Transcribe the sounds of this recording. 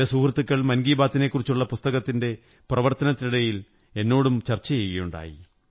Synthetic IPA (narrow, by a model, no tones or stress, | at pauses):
ɐsuːkrɐt̪ːukːɐɭmɐnɡiːbaːt̪ːine̞kːurit͡ɕːuɭːɐpust̪ɐɣɐt̪ːinde̞ | prɐʋɐrt̪ɐnɐt̪ːiniɽɐjil | e̞nːo̞ːɽumt͡ɕɐrt͡ɕːɐjejɣɐjuɳɖa̰ːjḭ